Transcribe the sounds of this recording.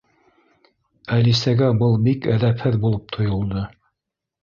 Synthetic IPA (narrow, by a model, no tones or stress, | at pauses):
ælisæɡæbɤlˠbikæðæphɘðbulˠɤp̚t̪ʰŏjŏlˠd̪ɤ